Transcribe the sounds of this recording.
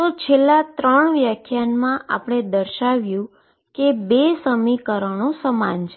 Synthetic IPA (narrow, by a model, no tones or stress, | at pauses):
t̪ot͡ʃʰelːãt̪ɾəɳʋjakʰjanmãʔa̰pəɳ̃ed̪əɾʃaʋjũ | kebesəmikəɾəɳ̃õsəmant͡ʃʰe